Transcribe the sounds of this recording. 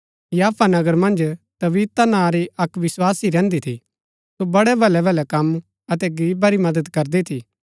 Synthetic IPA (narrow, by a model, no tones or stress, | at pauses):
jaːpʰanɐɡəɾmɐ̃nd͡ʒt̪ɐʋiːt̪anãːɾiʔɐkʋɪswaːsiɾɛ̃ːnd̪it̪ʰḭ | sobɐɽɛbʱɐlɛbʱɐlɛkɐm | ɐt̪̬ɛɡɾiːbaɾimɐd̪əd̪kɐɾd̪it̪ʰiː